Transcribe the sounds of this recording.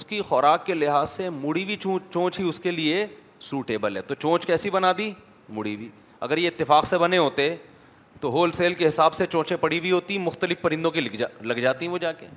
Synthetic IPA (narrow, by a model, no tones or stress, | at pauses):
ʊskixɔːɾaːkːelɪɦaːzsemʊɽibʱit͡ʃũːt͡ʃõːt͡ʃɦiʊskelie | suːʈeːbəlɦɛ̰t̪ot͡ʃõːt͡ʃkɛːsibɐnaːd̪i | mʊɽibiː | ɐ̰ɡəɾjeɪt̪ːɪfaːqsebɐneɦoːt̪eɦɛ | t̪oɦoːlseːlkeɦɪsaːbset͡ʃõːt͡ʃẽpɐɽibʱiɦoːt̪imʊxt̪əlɪfpɐɾɪ̃nd̪õk̬ilalɐɡd͡ʒaːt̪iɦɛ̃ʋod͡ʒaːkḛː